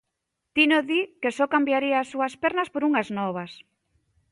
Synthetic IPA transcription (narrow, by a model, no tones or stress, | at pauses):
t̪inoðikesɔkambjaɾiaːsːuaspeɾnaspoɾuŋaznɔβ̞as